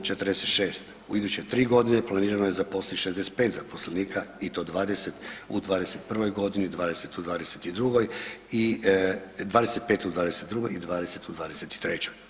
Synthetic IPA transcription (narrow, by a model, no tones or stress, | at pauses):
t͡ʃe̞t̪əɾd̪eset̪ʃeːst̪ | uid̪ut͡ɕet̪ɾiːɡo̞d̪ineplˠaniːɾanojezapo̞sleʃezeset̪̚pe̞ːt̪zapo̞sleniːkʰait̪o̞d̪ʋaːd̪ese̞t̪ud̪ʋaːd̪eset̪̚pr̩ʋo̞jɡo̞d̪inid̪ʋaːd̪e̞se̞t̪ud̪ʋaːd̪e̞set̪id̪ɾuɡo̞ji | d̪ʋaːd̪eset̪̚peːt̪ud̪ʋaːd̪eset̪d̪ɾuɡo̞jid̪ʋaːd̪ese̞t̪ud̪ʋaːd̪ese̞t̪i̥t̪ɾet͡ɕoj